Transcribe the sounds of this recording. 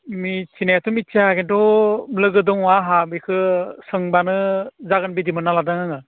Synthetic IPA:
mit͡ʃʰinajatʰɔmit͡ʃiakentɔlɯɡɯdɯŋɔaɦabikʰɯsɯŋbanɯzaɡɯnbidimɯnaladaŋaŋɯ

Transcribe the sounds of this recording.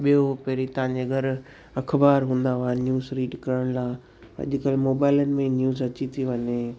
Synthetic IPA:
ɓijopeɦɾit̪ɐʋ̤ãːɲd͡ʑeɡɐɾ | ɐkʰbaːɾɦũːnd̪aʋanjuːzɾiːɖkɐɾəɽ̃laː | ɐ̰ʄʊkəlmoːbaːɪlənɪ̆mẽnjuːzɐt͡ɕit̪ʰiʋɐɲe

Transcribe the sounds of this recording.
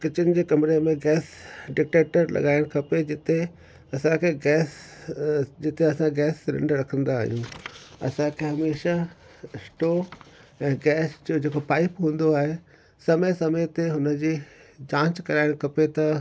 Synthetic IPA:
kɪt͡ɕɪnɪ̆d͡ʑeːkɐmɪɾemẽɡɛːsɖɪk̚ʈeːʈəɾlɐ̰ɠaːɪɽ̃kʰɐped͡ʑɪt̪e | ɐsãkʰeɡɛːs | d͡ʑɪt̪eɐsãɡɛːsɾɪ̰̃ɳɖɾɐkʰə̃nd̪aːɦijũːɐ̰sãkʰeɦɐmeːʃa | ɪsʈoː | ɛ̃ːɡɛːsd͡ʑod͡ʑeːkopaːɪpɦũːnd̪oaːɦe | sɐməjsɐməjt̪eɦʊnəd͡ʑiːd͡ʑãːt͡ɕkɐɾaːɪɽ̃kʰɐpet̪ɐ

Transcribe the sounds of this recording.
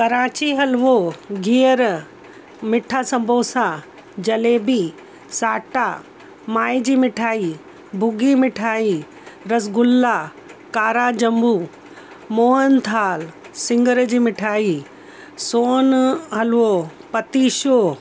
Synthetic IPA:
kɐɾaːt͡ɕiɦɐlʋoɡiəɾ | mɪʈʰaːsɐ̃mbʱoːsa | d͡ʑɐleːbi | saːʈaː | maːid͡ʑiːmɪʈʰaːi | bʱʊɡiːmɪʈʰaːi | ɾɐsɡʊlːa | kaːɾad͡ʑɐmbuː | moːɦənt̪ʰaːl | sɪ̃ŋɡəɾd͡ʑiːmɪʈʰaːi | soːnɦɐlʋo | pɐt̪iːʃoː

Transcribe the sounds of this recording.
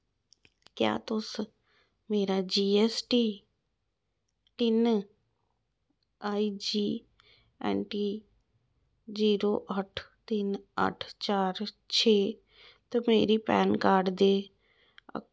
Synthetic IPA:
kja̰ːt̪ʊs | meːɾaːd͡ʒiːɛsʈiː | ʈɪn | aːiːd͡ʒiː | ɛ̰ːɳʈiː | ziːɾoːʔəʈʰt̪ɪnə̰ʈʰt͡ʃaːɾ | t͡ʃʰeː | t̪omeːɾiːpɛːnkaːɾɖd̪ḛː

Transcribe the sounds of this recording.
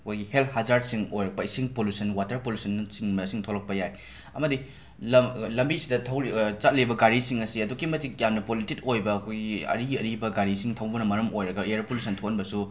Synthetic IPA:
ɐkʰojɡihelthazaɾdsiŋojɾɐk̚pɐisiŋpolusɐnwatɐɾpolusɐnsiŋmɐsiŋtʰolɐk̚pɐjaj | ɐmɐdi | lɐlɐmbisidɐtʰɐwit͡ʃat̚libɐɡaɾisiŋɐsiɐdukːimɐtik̚jamnɐpolititojbɐːkʰojɡiɐ̰ɾiɡiɐɾibɐɡaɾisiŋtʰɐwbɐnɐmɐɾɐmojɾɐɡɐeɐɾpolusɐntʰokɐnbɐsu

